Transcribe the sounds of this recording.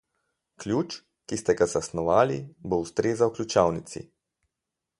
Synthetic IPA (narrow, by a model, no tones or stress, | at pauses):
klʲjuːt͡ʃ | kist̪ɛɡazasnɔʋaːliboust̪ɾeːzauklʲut͡ʃawnit̪sḭ